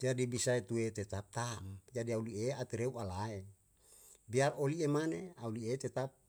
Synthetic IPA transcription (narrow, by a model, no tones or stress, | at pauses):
d͡ʒiadibisaet̪uet̪ɛt̪ap̚t̪amd͡ʒadiaulieat̪iɾeuʔalae | biaroliemaneauliet̪et̪ap̚